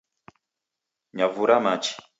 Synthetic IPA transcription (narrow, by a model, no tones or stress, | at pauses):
ɲavuɾamat͡ʃi̥